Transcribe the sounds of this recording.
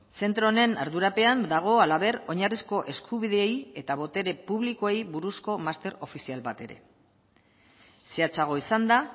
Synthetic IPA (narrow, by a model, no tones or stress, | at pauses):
se̞nt̪ɾo̞ne̞na̰ɾðuɾape̞and̪aɣ̞o̞alaβe̞ɾo̞ɲarisko̞ʔe̞skʰuβiðeeje̞t̪aβ̞o̞t̪e̞ɾe̞puβ̞likoejβuɾusko̞mast̪e̞ɾo̞fisialbat̪e̞ɾe̞̰ | seat͡saɣ̞o̞isand̪a